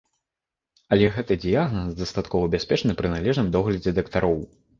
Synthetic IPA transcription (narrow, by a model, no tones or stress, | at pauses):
ɐlʲɛɣɛt̪ɨd̪ʲɨjaɣnɐsd̪ɐst̪at̪kɔvɐbʲasʲpʲɛt͡ʂnɨpɾɨnalʲɛʐnɨmd̪ɔɣlʲɐd͡zʲɛd̪ɐkt̪aɾɔw